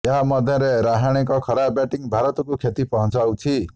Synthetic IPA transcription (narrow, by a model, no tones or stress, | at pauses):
jʌɦamʌd̪ʱjʌ̃ɾeɾaɦaɽ̃ekʌkʰʌɾabjaʈiŋbʱaɾʌt̪kokʰet̪ipʌɦʌnt͡sʰawt͡sʰi